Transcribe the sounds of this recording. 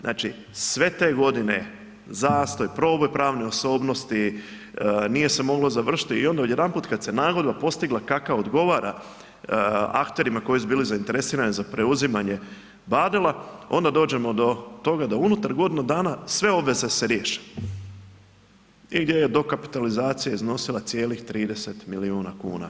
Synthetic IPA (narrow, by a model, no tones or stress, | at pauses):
znʔa̰ːt͡ʃi | sʋe̞t̪e̞ːɡo̞d̪ine̞̰ | zaːst̪o̞jpɾo̞ːbojpɾaːʋnioso̞ːbno̞st̪i | nije̞semo̞ɡlˠo̞zaʋr̩ʃi̥t̪iio̞nd̪aod̪je̞d̪anpuːt̪kad̪senaːɡo̞d̪bapo̞st̪iɡlˠakakaod̪ɡo̞ʋaɾa̰ | a̰kt̪e̞ɾimako̞jisubiːlizaint̪e̞ɾesiːɾanizapɾe̞uzimaɲe̞ | bad̪elˠao̞̰nd̪ad̪o̞ːd͡ʑe̞mo̞d̪o̞t̪o̞ɡad̪aunut̪aɾɡo̞d̪inud̪aːnasʋe̞o̞bʋe̞ze̞seɾje̞ːʃe̥ | iɡd̪je̞je̞d̪o̞kapi̥t̪alizaːt̪sijaizno̞silˠat̪sje̞ːlixt̪ɾiːd̪e̞se̞t̪miliuːnakṵːna̰